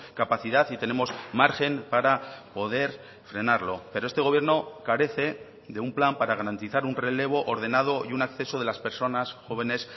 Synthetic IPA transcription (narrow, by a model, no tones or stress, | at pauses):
kapaθiðaθit̪e̞ne̞mosmaɾxe̞mpaɾapo̞ð̞e̞ɾ | fɾe̞naɾlo̞pe̞ɾoest̪e̞ɣ̞o̞βje̞ɾno̞kaɾe̞θe̞ | ðe̞umplampaɾaɣaɾant̪iθaɾunre̞le̞β̞o̞ʔoɾðe̞nað̞o̞iunakθe̞so̞ð̞e̞laspe̞ɾso̞nasxo̞β̞e̞ne̞s